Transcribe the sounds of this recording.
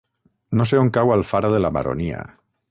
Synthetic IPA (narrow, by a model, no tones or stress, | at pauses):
nos̬eoŋkawalˠfaɾaðelaβa̰ɾo̰nia̰